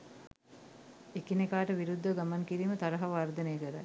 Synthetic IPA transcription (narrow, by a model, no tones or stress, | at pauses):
ekinekaːʈəʋiɾud̪ʱːəɡamaŋkiɾiːmət̪aɾəɦaʋard̪ənejəkəɾa